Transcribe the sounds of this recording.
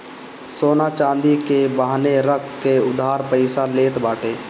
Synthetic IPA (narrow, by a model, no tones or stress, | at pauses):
soːnaːt͡ʃãːnd̪ikebaːɦneɾəkkeʊd̪ʱːaːɾpəɪsaleːt̪baːʈeː